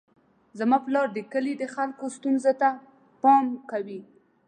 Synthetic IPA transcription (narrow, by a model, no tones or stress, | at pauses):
zamɑplɑɾd̪əkəlid̪əxalkost̪unzot̪a | pɑmkawi